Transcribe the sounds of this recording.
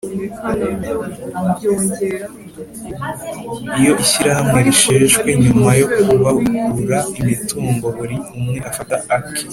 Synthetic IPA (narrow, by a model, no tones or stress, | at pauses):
ijo̞ʔiɕiɾaɦamŋe̞ɾiʃeːʒɡwe̞ɲumajo̞kuβawikuɾaimituːŋɡo̞βuɾiumŋe̞ʔafataaki̥